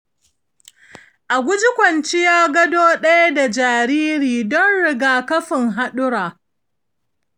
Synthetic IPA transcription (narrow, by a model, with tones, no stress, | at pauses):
ʔa˨ɡʷʊ˦d͡ʒɪ˦kʷɐ˨nt͡ʃi˦jaː˦ɡɐ˦doː˦ɗɐ˦ja˦da˨d͡ʒaː˨ɾiː˦ɾiː˨dɔ˦nɽɪ˨ɡaː˨kɐ˦ɸɪ˨ŋɦa˦ɗʊ˦ɽaː˨